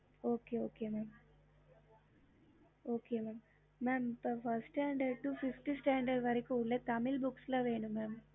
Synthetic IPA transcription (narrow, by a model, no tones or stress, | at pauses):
oːkeːoːkeːmaːm | oːkeːmaːmː | aːmpfɐɾsʈeɳɖeʈːufifʈisʈaːɳɖɐɖʋɐɾikːuuɭːeːt̪ɐmilbukslaːʋeːɳumaːm